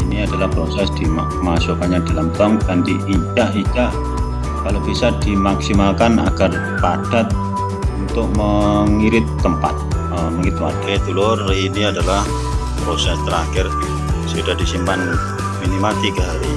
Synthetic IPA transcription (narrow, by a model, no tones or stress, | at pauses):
iniadalahpɾosɛsd̥ima | masukanɲadalamt̪ɔŋdand̪iʔit͡ʃaʔit͡ʃaʔ | kalobisadimaksimalkana̰ɡ̥ar | pad̥at̪̚ | unt̪ʊk̚məŋiɾɪt̪ːəmpa̰t̪̚ | əməŋɪt̪wadet̪ulʊriniadalah | pɾosɛst̪əɾaxɪr | sudahdisimpan | minimat̪ikəɦaɾi